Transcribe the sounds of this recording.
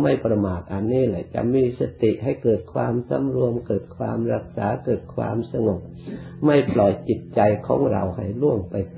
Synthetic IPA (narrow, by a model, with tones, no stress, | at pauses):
ma˧˥˩jpɾa˧maː˨˩t̪̚ʔa˧nːiː˧˥˩la˨˩jt͡ɕa̰˧ʔmiː˧˥sa˧t̪i˨˩ʔha˨˩jkɤː˨˩t̪̚kʰwaː˧msa̰˧˥˦mɾu˧əmkɤː˨˩t̪̚kʰwaː˧mɾa˧˩k̚saː˨˦kɤː˨˩t̪̚kʰwa̰ː˧msa˧ŋo˨˩k̚ | ma˥˩jplɔ˨˩jt͡ɕi˨˩t̪̚t͡ɕa˧jkʰɔ̰ː˨˦ŋɾa̰˧˩wha˨˩jlu˧˥˩əŋpa˨˧j